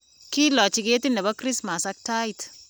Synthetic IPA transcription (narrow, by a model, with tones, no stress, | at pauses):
kɪ˦lɔ˨t͡ʃɪ˨ɡe˦tɪ˦nɛ˨bɔ˦kɾɪ˦sma˨sa˦k̚ta˦it